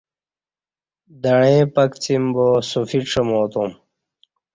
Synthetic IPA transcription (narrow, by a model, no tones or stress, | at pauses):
d̪ɐɻẽːpɐkt͡simbosufiʈ͡ʂʰɐmoːt̪um